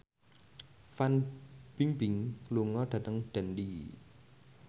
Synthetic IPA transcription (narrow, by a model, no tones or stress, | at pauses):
fanb̥iŋbɪŋluŋɔɖ̥a̤t̪əŋɖ̥ɛnli